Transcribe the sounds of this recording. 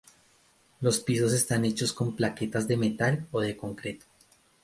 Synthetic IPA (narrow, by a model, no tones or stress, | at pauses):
lo̞spiso̞se̞st̪ane̞t͡ʃo̞sko̞mplake̞t̪azd̪e̞me̞t̪aloðe̞ko̞ŋkɾe̞t̪o̥